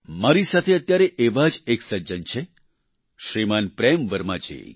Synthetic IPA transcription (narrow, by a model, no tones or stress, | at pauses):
maɾisat̪ʰeət̪jaɾeʔeʋad͡ʒeksəd͡ʒənt͡ʃʰe | ʃɾimanpɾemʋəɾma̰t͡ʃḛ